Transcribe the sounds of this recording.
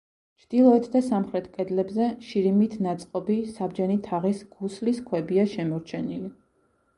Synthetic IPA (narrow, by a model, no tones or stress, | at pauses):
t͡ʃʰd̪̥ilˠɔɛt̪ʰd̪asamχɾɛt̪ʰkʼɛd̪lɛbzɛʃiɾimit̪ʰnat̪sʼqʼɔbisabd͡ʒɛnit̪ʰaʁisɡ̥usliskʰwɛbiaʃɛmɔɾt͡ʃʰɛnili